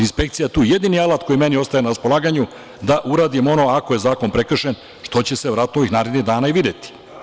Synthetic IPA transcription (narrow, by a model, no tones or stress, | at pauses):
inspe̞k̚t̪sijat̪uːjed̪inialˠat̪̚ko̞jime̞nio̞st̪ajenaɾaspo̞lˠaːɡaɲu | d̪aʔuɾaːd̪imo̞no̞ako̞je̞zaːko̞npɾe̞kr̩ʃen | ʃt̪o̞t͡ɕe̞seʋɾat̪nooʋixnaːɾed̪niɦd̪aːnaiʋid̪et̪i̥